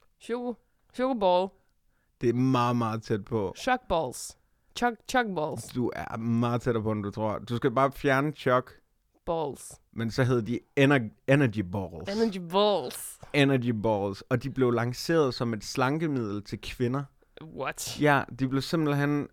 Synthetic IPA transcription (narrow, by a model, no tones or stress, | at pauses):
ɕoɡ | ɕoɡ̥bɔl | d̥e̝æɐmɑ̈ːð̩ˠmɑ̈ːð̩ˠt͡sʰed̥̚pʰɒ̽ɕɔɡ̥̚b̥ɔls | t͡ʃɔɡ̥t͡ɕʰɔɡ̥̚bɔ̰lsd̥uæɐmɑ̈ːð̩ˠt͡sʰeɾɐpʰɒ̽en̩d̥ut͡sʰʁo̝ɐ̰d̥usɡ̥æb̥ɑ̈ːfjæɐnət͡ɕʰɒ̽ɡ̥ | b̥ɒls | mensɒ̽ɦeð̞ˠd̥ienɐenɐɡ̥ibɒːlnɐibɔlsenɐɡib̥ɒːlsɒ̽d̥ib̥le̝ʊlɑ̈ŋse̝̰ːɐð̞ˠsɒ̽me̝d̥slɑ̈ŋɡ̥əmið̞̰ˠl̩t͡sʰe̝lkʰʋe̝nɐ | wɒjæd̥ib̥le̝ʊse̝m̰b̥l̩ɦen̰